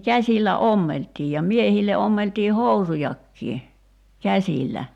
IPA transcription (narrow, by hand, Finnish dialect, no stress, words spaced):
kæsʲilːæ omːeltˑiː jɑ miehilːe omːeltiː housujɑkːiː kæsʲilːæ